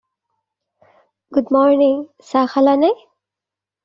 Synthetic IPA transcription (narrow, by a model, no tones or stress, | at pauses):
ɡʊd̪mɔɾnĩŋ | saxalane